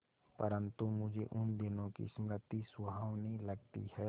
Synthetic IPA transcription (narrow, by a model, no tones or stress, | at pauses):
pəɾə̃nt̪umʊd͡ʒʱeʔʊnd̪ɪnõkḭsmɾɪt̪ːiswɐɦaːwnəɦĩlɐɡ̚t̪ḭɦɛ